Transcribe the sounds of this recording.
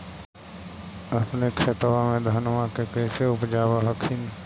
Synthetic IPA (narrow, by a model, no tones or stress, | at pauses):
ɐpnekʰʃet̪wamẽd̪ʱanmakekɛɪseʊpd͡ʒaːwaɦəkʰɪn